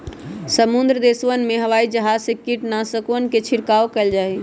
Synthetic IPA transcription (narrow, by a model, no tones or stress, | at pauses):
səmund̪ɾəd̪esʋənmeɦəʋaid͡ʒəɦad͡ʒsekiʈnasəkənket͡ʃʰiɾkaokɛld͡ʒaɦe